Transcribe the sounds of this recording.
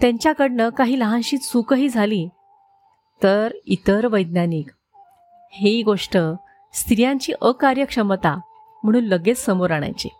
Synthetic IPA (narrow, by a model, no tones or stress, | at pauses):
t̪jãɲt͡ɕjakəɽɳəkaɦiːləɦãnɕiːt̪sukəɦiːd͡zʱaliː | t̪əɾit̪əɾʋəjd̪̚naniːk | heɡoʂʈə | st̪ɾijãɲt͡ɕiːʔəkaɾjəkʂəmət̪a | m̤əɽ̃ũːnləɡet͡ssəmoɾaɽ̃a̰jt͡ɕḛ